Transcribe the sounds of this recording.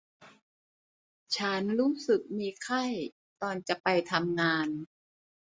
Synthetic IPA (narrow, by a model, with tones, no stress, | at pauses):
t͡ɕʰa˦˥nɾuː˦˥sɯ˨˩k̚miː˧kʰa˥˩j | t̪ɔː˧nt͡ɕa˨˩ʔpa˧jt̪ʰa˧mŋaː˧n